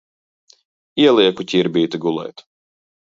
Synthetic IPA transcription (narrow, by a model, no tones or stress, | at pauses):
iɛlˠiɛkucʲiɾbʲiːt̪iɡulˠɛ̰jt̪